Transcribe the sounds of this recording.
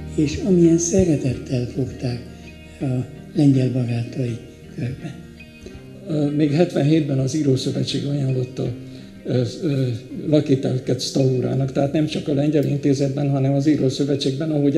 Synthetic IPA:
eːʃɒmijɛnsɛɾɛt̪ɛt̪ʰːɛlfokt̪aːk | ɒ | lɛɲɟɛlbɒɡaːt̪ɒji | kørbɛn | meːɡɦɛt̪ʋɛnɦeːd̪bɛnɒziɾoːsøvɛt͡ʃːeːɡɒjaːnlo̞t̪ːɒ | lɒkiːt̪ɛlkɛt̪st̪ɒuːɾa̰ːnɒkt̪ɛɦaːt̪nɛmt͡ʃɒkɒlɛɲɟɛlint̪eːzɛd̪̚bɛnɦɒnɛmɒziːɾoːsøvɛt͡ʃːeːɡbɛnɒɦo̞ɟ

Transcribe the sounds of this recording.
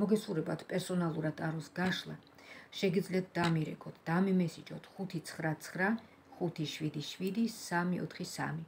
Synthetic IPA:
mɔɡɛsχuɾɛbat̪ʰpʼɛɾsɔnalˠuɾad̪ʼaɾɔsɡaʃlˠa̰ | ʃɛɡid̪zliat̪̚ʰd̪amiɾɛ̰kʰɔt̪ʰd̪̥amɛmɛsid͡ʒɔ̰t̪ʰχut̪ʰit̪sʰχɾat̪sʰχɾa | χut̪ʰiʃwid̪iʃwid̪isamiɔ̰t̪ʰχisa̰mi

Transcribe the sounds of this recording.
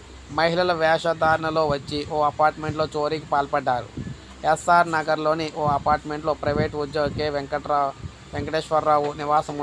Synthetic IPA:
mɐɦilɐlɐʋɛːʃɐd̪ʱaːɾɐɳɐlo̞ːʋɐt͡ʃːiʔoːɐpaːɾʈmeɳʈlo̞ːt͡ʃoːɾiːkipaːlpɐɖːaːɾṵ | esaːɾnɐɡɐɾlo̞ːniʔoːɐpaːɾʈme̞ɳʈlo̞ːpɾɐjʋeːʈʋud̪jɐʋkeːʋɐ | ʋeŋkɐʈeːʃʋɐɾːaːʋuniʋaːsɐmu

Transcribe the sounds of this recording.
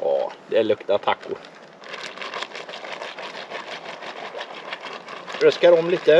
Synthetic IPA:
ʔɑ̰ːd̪ɛæɭɵkt̪at̪ʰakːʊ̰ɾ | ɾœskaɾɔmliːt̪ə

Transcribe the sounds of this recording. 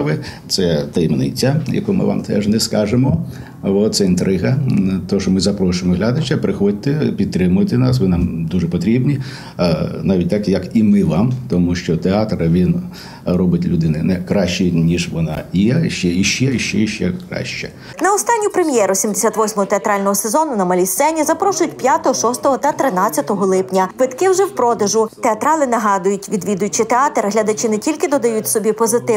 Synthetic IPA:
ʋɪt̪sɛt̪ɛjmnɪ̰t͡sʲːajɐ̰kumɪ̰ʋɑ̰mt̪ɛ̰ʒnɛskɑʒemɔ | ʋɔt̪sɛint̪ɾɪɦɐt̪ɔʃɔmɪzɐpɾɔʃʊjmɔɦlʲad̪ɐt͡ʃɐpɾɪxɔd̚ʲt̪ɪpʲid̪̚t̪ɾɪmʊjt̪ɪnɑsʋɪnɑmd̪uʐɛpɔt̪ɾʲibnʲi | nɑʋʲit̚ʲt̪ɑkjɐkimɪʋɑmt̪ɔmuʃt͡ʃɔt̪eɑt̪ɾɐʋʲin | rɔbɪtʲlʲʊd̪ɪnɪnɛkɾɑʃt͡ʃinʲiʒʋɔnɑ̰jɛʃt͡ʃɛiʃt͡ʃɛiʃt͡ʃɛiʃt͡ʃɛkɾɑ̰ʃt͡ʃɛ | nɐɔst̪ɑnʲːʊpɾemjɛɾʊsʲimd̪esʲat̪ʋɔsʲmɔɦɔt̪eɐt̪ɾɑlʲnɔɦɔsezɔnʊnɐmɐlʲissɛnʲizɐpɾɔʃʊjʊtʲpʲjat̪ɔɦɔʃɔst̪ɔɦɔt̪ɐt̪ɾɪnɑtt͡sʲːɐt̪ɔɦɔlˠɪpnʲɐʋɪt̪kɪwʒɛwpɾɔd̪ɐʒʊt̪eɐt̪ɾɑlˠɪnɐɦɑd̪ʊjʊtʲʋʲid̪ʋʲid̪ʊjʊt͡ʃit̪eɑt̪ɾɦlʲɐd̪ɐt͡ʃɪnɛtʲilʲkɪd̪ɔd̪ɐjutʲsɔbʲipɔzɪt̪ɪ

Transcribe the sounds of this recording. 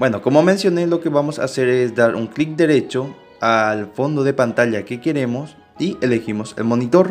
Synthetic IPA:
bwe̞no̞ko̞mo̞mẽ̞nsjo̞ne̞lo̞ke̞βamo̞sa̰se̞ɾe̞sd̪aɾʔṵŋklik̚d̪e̞ɾe̞t͡ʃo̞ | alfo̞nd̪o̞ðe̞pant̪aʎake̞ke̞ɾe̞mo̞s | iʔele̞ximo̞se̞̰lmo̞nit̪o̞ɾ

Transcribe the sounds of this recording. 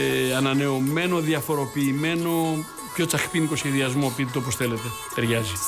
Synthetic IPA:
ɐnɐne̞ome̞no̞ðiɐfo̞ɾo̞piːme̞no̞ | pço̞t͡sɐxpinikosçeðiɐzmo̞pit̪et̪oop̬osθe̞let̪e̞ | t̪eɾʝɐzi

